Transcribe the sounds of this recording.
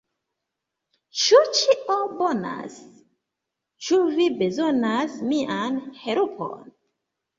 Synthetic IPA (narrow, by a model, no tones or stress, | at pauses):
ʃut͡ʃiʔɔbɔna̰s | t͡ʃuvibɛzɔnasmiʔãnhɛɾupʰɔ̰n